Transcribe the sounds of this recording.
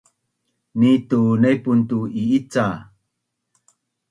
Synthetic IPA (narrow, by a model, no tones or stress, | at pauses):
nitunejpuntuiit͡sa